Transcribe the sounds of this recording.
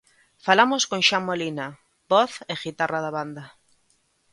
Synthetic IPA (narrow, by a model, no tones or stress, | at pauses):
falamoskõŋʃammolina | bɔθeɣit̪araðaβand̪a